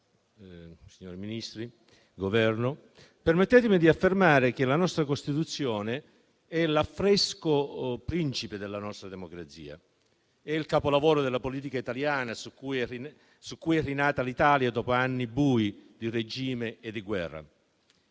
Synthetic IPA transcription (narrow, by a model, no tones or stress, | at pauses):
siɲːoːɾiminist̪ɾi | ɡovɛrno | permet̪ːɛːt̪̬ɪmid̪iafːermaːɾek̟elanɔst̪ɾakost̪it̪ut̪sːjɔːne | ɛlafːɾɛskopɾint͡ʃiped̪elːanɔst̪ɾad̪emokɾat̪sḭːa̰ | ɛilkaːpolavɔːɾod̪elːapoliːt̪ikait̪aljaːnasukːujɛri | sukːujɛrːinaːt̪alit̪aːljad̪ɔːpoanːibuːid̪ired͡ʒiːmeːd̪ːiɡwɛrːa̰